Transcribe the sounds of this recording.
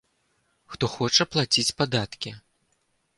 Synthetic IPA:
xt̪ɔxɔt͡ʂɐplˠat͡sʲit͡sʲpad̪at̪kʲi

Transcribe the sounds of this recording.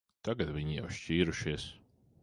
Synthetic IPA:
t̪aɡat̪vʲiɲija̰wʃt͡ʃiːɾuʃiɛs

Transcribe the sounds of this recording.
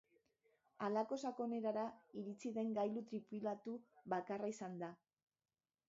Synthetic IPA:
alako̞sako̞ne̞ɾaɾaiɾit͡siðe̞ŋɡajlut̪ɾipulat̪uβakaraisand̪a

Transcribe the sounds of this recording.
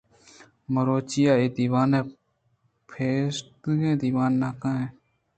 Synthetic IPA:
məɾoːt͡ʃijaːeːd̪iːwaːnẽː | pʰeːst̪ɡẽːd̪iːwaːnːaːkãːẽː

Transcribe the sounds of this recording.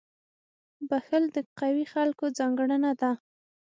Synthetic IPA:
baxəld̪əqawixalkod͡zɑŋɡɽənad̪a

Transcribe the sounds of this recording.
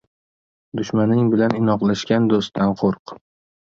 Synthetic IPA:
d̪ʊʃmanɪŋbɪlanɪnɒqlˠaʃkʲand̪ost̪ʰːanqʰoɾq

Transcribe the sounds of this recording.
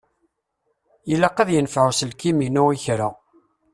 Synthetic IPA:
jəlːaqɑðjənfʕusəlkiminuiçɾa

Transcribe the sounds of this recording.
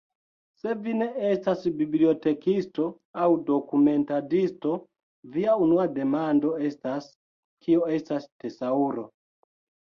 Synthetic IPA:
se̞vine̞estasbiblio̞te̞kisto̞ | awdo̞kume̞ntadisto̞ | viaunuade̞mando̞e̞stas | kʰioe̞stastesauɾo̞

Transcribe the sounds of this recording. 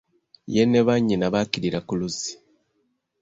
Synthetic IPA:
jeneβaɲːinaβakiɾiɾakuluzi̥

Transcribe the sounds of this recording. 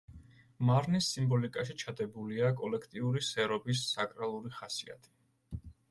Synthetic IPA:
maɾnisːimbɔlikʼaʃit͡ʃʰad̪ɛbuliakʼɔlɛkʰt̪ʼiuɾisɛɾɔbisːakʼɾalˠuɾiχasḭa̰t̪ʰi̥

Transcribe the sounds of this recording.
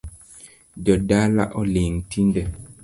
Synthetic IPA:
ɟɔdala̰ʔɔliŋtʰindɛ

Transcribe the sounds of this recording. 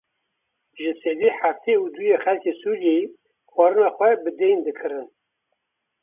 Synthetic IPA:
ʒɨsed̪iħaft̪ʰeud̪ujexælkʰeːsuɾijeji | xwɑɾɨnɑːxʷɛbɨd̪ejnd̪ɨkʰɨɾɨn

